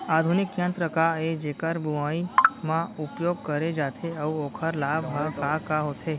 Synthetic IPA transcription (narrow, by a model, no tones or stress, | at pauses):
aːd̪ʱunɪkjə̃nt̪ɾəkaed͡ʒeːkəɾbuʋaimãʊpjoːɡ̚kəɾed͡ʒaːt̪ʰeəʋoːkʰəɾlaːbʱɦakakaɦoːt̪ʰeː